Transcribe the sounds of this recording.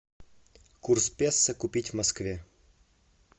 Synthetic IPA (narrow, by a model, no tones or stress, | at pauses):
kurspʲesːəkʊpʲitʲvmɐskvʲe